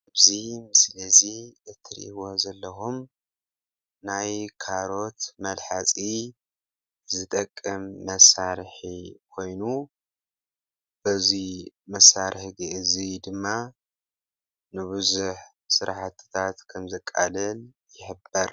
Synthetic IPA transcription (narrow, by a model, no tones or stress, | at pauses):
ɨbzimɨslɐziʔɨt̪ʰːɨɾ̰ʔiwozɐlːɐxum | najkʰaɾo̞t̪mɐlħat͡sʼi | zɨt̪ʼɐkʼːɨmːɐsaɾħikʰo̞jnu | bɨzimɐsːaɾħiɡɨʔɨzid̪ɨmːa | nɨβɨzuħ | sɨɾaħat̪ʰːɨ̥t̪ʰat̪kʰɐmzɐkʼːa̰lɐl | jɪħɨbɐɾ